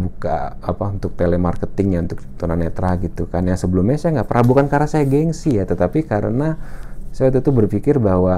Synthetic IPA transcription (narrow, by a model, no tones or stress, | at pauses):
buka̰ | apaunt̪ʊk̚t̪elɛmarkət̪ɪŋɲaunt̪ʊk̚t̪unanet̪ɾaɡit̪ukanjaŋsəbəlʊmɲasajaŋɡaʔpəɾabukankaɾasajaɡɛŋsihjat̪ət̪apikaɾə̰nasaat̪̬ut̪ubərfikɪrbaɦwa